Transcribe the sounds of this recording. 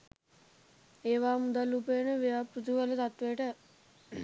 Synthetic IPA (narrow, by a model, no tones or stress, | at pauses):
eːʋaːmud̪alupenəʋijaːpɾut̪uʋələt̪at̪ʋeʈə